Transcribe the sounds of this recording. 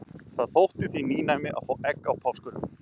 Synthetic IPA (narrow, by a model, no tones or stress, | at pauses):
θaðθowht̪ɪθiniːnajmɪʔa̰ðfoːwɛkːawpʰawskʏlʏm